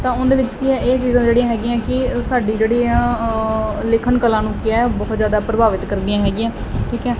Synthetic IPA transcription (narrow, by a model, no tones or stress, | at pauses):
t̪ãːʊ̃nd̪eːʋɪt͡ʃkiɛːeːt͡ʃiːzãːd͡ʒeːɽĩjãːɦɛːɡĩãːkɪsaːɖiːd͡ʒeːɽiːãː | lɪkʰənkəlãːnũːkɪɛːbɔːt̪zjaːd̪aːpɾəbaːʋɪt̪kəɾd̪ijãːɦɛːɡĩjãːʈʰiːkɛː